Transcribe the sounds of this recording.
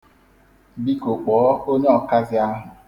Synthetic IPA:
bi˦ko˨k͡pɔː˨˦o˦ɲe˦ɔ˨ka˦zɪ˦a˦ɦʊ˨

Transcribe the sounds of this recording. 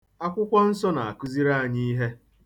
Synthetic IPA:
a˦kʷʊ˦kʷɔ˦n̩˦sɔ˦na˨a˨kʊ˦zi˦ɾa˦˨ɲi˦i˦ɦe˦

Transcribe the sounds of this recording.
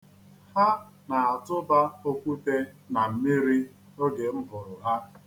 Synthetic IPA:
ha˦ | na˨a˨tʊ˦ba˦o˦kʷu˦te˦ | na˨m̩˨mi˦ɾi˦ | o˦ɡe˨m̩˦bʊ˨ɾʊ˨ɦa˦

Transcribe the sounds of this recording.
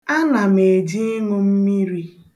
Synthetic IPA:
a˦na˨me˨d͡ʒi˦ŋʊ˦m̩˦mi˦ɾi˦

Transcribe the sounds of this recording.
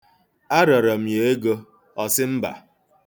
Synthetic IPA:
a˦ɾɔ˨ɾɔ˨m̩˨je˨e˦ɡo˦ | ɔ˦sɪ˦m̩˦ba̰˨

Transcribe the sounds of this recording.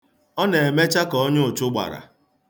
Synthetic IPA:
ɔ˦ne˨e˨me˦t͡ʃa˦kɔ˦ɔ˦ɲʊ˦ʊ˨t͡ʃʊ˦ɡ͡ba̰˨ɾa̰˨

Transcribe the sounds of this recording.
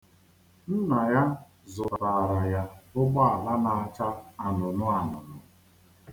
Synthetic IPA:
n̩˦na˨ja˦ | zʊ˨ɾa˨ɾa˨ja˦ʊ˦ɡ͡ba˦a˨la˦na˨a˨t͡ʃa˦a˨nʊ˨nʊ˦a˨nʊ˨nʊ˨

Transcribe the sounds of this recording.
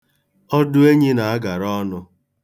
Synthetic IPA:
ɔ˦dʊ˦e˦ɲi˦na˨a˦ɡa˨ɾɔ˦nʊ˦

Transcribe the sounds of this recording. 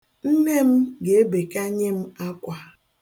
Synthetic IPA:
n̩˦ne˦m̩˦ɡe˨e˦be˨ka˦ɲe˦m̩˦a˦kʷa˨

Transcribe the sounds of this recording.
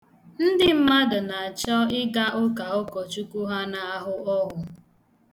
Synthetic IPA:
n̩˦dɪ˦m̩˦ma˦dʊ˨na˨a˨t͡ʃɔ˦ɪ˦ɡa˦ʔʊ˦ka˨ʊ˦kɔ˨t͡ʃu˦ku˦ɦa˦na˨a˦ɦʊ˦ɔ˦ɦʊ˨

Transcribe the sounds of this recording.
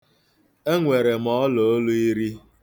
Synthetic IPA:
e˦ŋʷe˨ɾe˨mɔ˨˦ɔ˦lo˨o˦lu˦i˦ɾi˦

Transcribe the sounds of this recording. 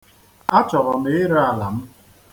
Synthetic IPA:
a˦t͡ʃɔ˨ɾɔ˨me˨˦ɾa˦a˨la˨m̩˦

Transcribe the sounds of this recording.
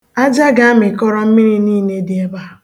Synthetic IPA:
a˦d͡ʒa˦ɡa˦a˦mɪ˨kɔ˦ɾɔ˦m̩˦mi˦ɾi˦niː˦˨ne˦dɪ˨e˦ba˦˨

